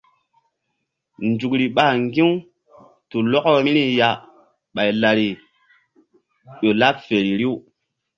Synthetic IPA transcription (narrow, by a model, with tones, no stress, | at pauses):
nd͡ʒu˨kɾi˨ɓa˨ŋɡĩ˦w | tu˨lɔ˦kmi˦ni˦ja˨ | ɓa˨jla˨ɾi˨ | ɗo˨la˦p̚fe˨ɾi˨ɾi˦u˦